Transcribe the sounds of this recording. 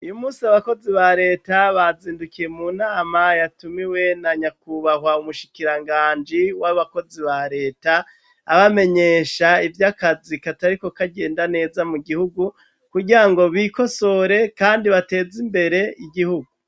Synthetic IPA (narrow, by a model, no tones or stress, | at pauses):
ujumuːsiaβako̞ziβaɾe̞ːtaβaziːndukije̞muːnaːmajatumiwe̞naɲakuβahwaumuʃi̥kiɾaŋɡaːnd͡ʒiwaβako̞ziβaɾe̞ːtaː | βame̞ɲe̞ːʃaivjakazikataɾiko̞kaɡe̞ːndane̞ːzamuɡihuɡu | kuɡiɾaŋɡo̞βiko̞so̞ɾe̞kaːndiβate̞ːzimbe̞ɾe̞iɡihuɡu